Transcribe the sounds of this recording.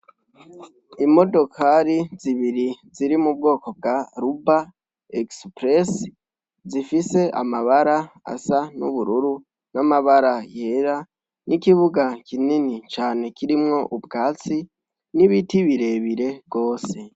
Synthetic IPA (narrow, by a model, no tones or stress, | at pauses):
imo̞do̞kʰaɾiziβiɾiziɾimub̚ɡo̞ːko̞b̚ɡaɾuba | ekspɾes | zifise̞ʔa̰maβaɾaa̰sanuβuɾuɾu | namaβaɾaje̞ːɾa | nʔikiβuɡakʰininit͡ʃaːne̞kiɾimŋo̞ʔubɡaːt͡si | niβitiβiɾe̞βiɾe̞bɡo̞ːse̞